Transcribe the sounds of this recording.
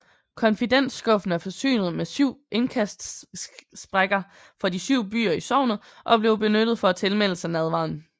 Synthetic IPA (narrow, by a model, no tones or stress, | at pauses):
kʰɒ̽nfid̥en̰sɡ̥ɔ̽fn̩æfɒ̽sy̰ːnəð̩ˠmesyʊ̰e̝nkʰæsd̥ | sb̥ʁaɡ̥ɐ | fɒ̽disyʊ̰b̥y̰ːɐisɒʊ̰nð̩ˠʔɒ̽b̥le̝ʊb̥e̝nød̥ð̩ˠfɒ̽æt͡sʰe̝lmel̰sænæð̞ˠʋɑ̰̈n̩